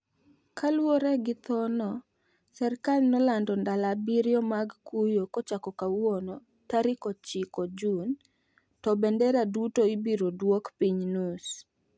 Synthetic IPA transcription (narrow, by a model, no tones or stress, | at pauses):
kalwoɾɛɡɪt̪ɔnɔ | sɛrkalnɔlandɔndalabiɾjɔmaɡkujokɔt͡ʃakɔkawonɔ | taɾɪkɔt͡ʃɪkɔd͡ʒun | tɔbɛndɛɾadutoibiɾodwokpiɲnus